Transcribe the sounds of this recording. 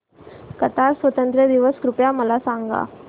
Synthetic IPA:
kɐt̪aːɾswɐt̪ɐnd̪ɾɐd̪ɪʋɐskɾʊpjaːmɐlaːsaːŋɡa̰ː

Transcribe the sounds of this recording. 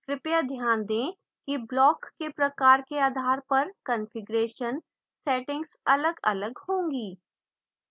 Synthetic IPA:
kɾɪpjad̪ʱjaːnd̪ẽː | kiblɔːkːepɾɐkaːɾkeaːd̪ʱaːɾpɐɾkənfɪɡɾeːʃən | sɛːʈɪ̃ŋɡsɐləɡɐ̰ləɡhõːŋɡiː

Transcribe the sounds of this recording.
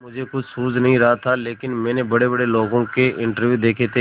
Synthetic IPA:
mʊd͡ʒʱekʊt͡ʃʰsuːd͡ʒnɐɦĩɾɐɦat̪ʰaleːkɪnmɛ̃ːnebɐɽebɐɽeloːɡõkeʔɪ̃ɳʈəɾʋjud̪eːkʰet̪e

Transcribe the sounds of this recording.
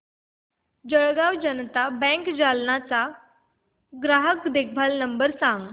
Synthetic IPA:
d͡ʑəɭɡaʋd͡ʑənt̪abɛ̃ŋkd͡ʑalnat͡sa | ɡɾaɦəkd̪ek̚ʰbʱalnəmbəɾsãŋɡ

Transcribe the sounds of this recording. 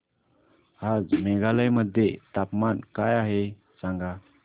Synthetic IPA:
had͡zmɛɡaləjməd̪ʱːjet̪apmankajaɦe | saŋɡa

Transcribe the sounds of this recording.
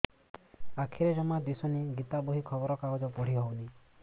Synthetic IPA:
akʰiɾed͡ʒɔmad̪isɔniɡit̪abɔɦikʰɔbɔɾɔkaɡɔd͡ʒɔpɔɽ̤iɦɔwni

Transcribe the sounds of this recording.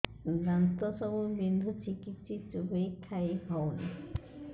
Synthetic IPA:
ɡɾant̪ɔsɔbubind̪ʱut͡ʃikitsit͡ʃubejkʰajɦɔwna

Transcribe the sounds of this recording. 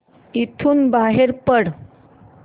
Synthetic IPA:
it̪ʰuːnbaɦeɾpəɽ

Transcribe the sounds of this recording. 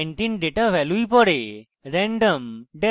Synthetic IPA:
ɳʈinɖeʈaʋʱɛluipɔɽe | ɾɛ̃ɳɖəmɖe

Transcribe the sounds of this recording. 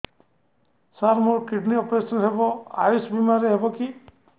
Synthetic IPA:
saɾmʊɹkiʈniɔpɾesɔnɦebɔa̰jusbimaɾiɦebɔki

